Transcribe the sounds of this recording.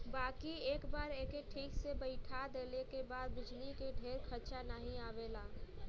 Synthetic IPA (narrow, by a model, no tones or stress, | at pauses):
bakieːkbaɾekeʈʰiːksebəɪʈʰad̪elekebad̪̚bɪd͡ʒlikeɖʱeɾkʰəɾt͡ʃanaɦĩabela